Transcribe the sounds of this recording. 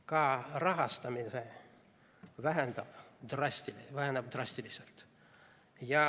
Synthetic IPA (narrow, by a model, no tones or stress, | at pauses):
kɑrɑɦɑst̪ɑmise | væɦend̪ɑb̥d̪̥rɑst̪ilvæhend̪ɑb̚d̪rɑsʲt̪iliselt̪ | jɑ